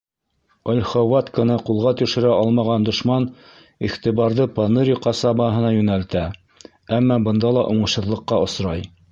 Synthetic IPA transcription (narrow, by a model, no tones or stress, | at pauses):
ælʲχowɑt̪kənɤqulˠʁɑt̪ɵ̆ʃɘ̆ɾæʔɑlˠmɑʁɑnd̪ŏʃmɑn | iχt̪iβɑɾðɤpɑnɤɾʲiqɑsɑbɑɦɤ̆nɑjʉnælt̪æ | æmːɑbɤ̆nd̪ɑlˠɑʔuɴɤ̆ʃhɤ̆ðlˠɤ̆qːɑŏsɾɑj